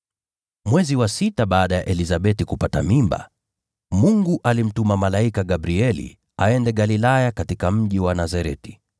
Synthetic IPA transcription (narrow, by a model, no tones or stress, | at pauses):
mwɛziwasitaɓaːɗajaʔɛlizaɓɛtikupata̰mimba̰ | muŋɡuʔalim̩tumamalaikaɡabɾiɛlḭ | a̰ɛndɛɠalilajakatikam̩ʄiwanazaɾɛti̥